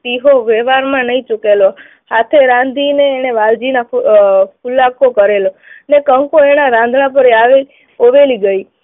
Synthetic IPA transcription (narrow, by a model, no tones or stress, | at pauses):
t̪iɦoʋeʋaɾmãnəĩt͡ʃukelo | hat̪ʰeɾãnd̪ʱineːñeʋald͡ʒina | pʰulːakokəɾelonekəŋkoeɽ̃aɾãnd̪ʱɽãpəɾeaʋeli | oʋeliɡəi